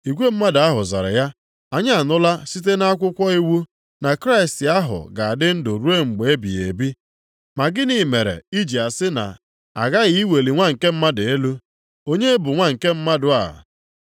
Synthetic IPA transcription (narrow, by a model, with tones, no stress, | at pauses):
i˨kʷe˦m̩˦ma˦da˦ɦʊ˨za̰˨ɾa̰˨ja˦ | a˨ɲa˦a˨nʊ˦la˦si˦t̬e˦na˦a˦kʷʊ˦kʷɔ˦i˦wu˦ | na˨kɾa˦ɪ˨stɪ˨a˦ɦʊ̰˨ɡa˨a˨dɪ˦n̩˦dʊ˨ɾu˦e˦ŋ͡m̩˨ɡ͡be˨e˦bḭ˨ḛ˨bi˦ | ma˨ɡɪ˦ni˨me˨ɾḛ˨i˦d͡ʒi˨a˨sɪ˦na̰˨ | a˨ɡa˦ɣi˦i˦we˨li˨ŋʷa˦ŋ̩˨ke˦m̩˦ma˦de˨e˦lu˦ | o˦ɲe˦bʊ˨ŋʷa˦ŋ̩˨ke˦m̩˦ma˦dʊ˨a̰˨